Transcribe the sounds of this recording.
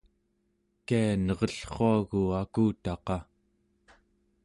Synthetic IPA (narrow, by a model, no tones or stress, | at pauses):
kianʌʁʌɬχoaɣuakuːt̪ɑqɑ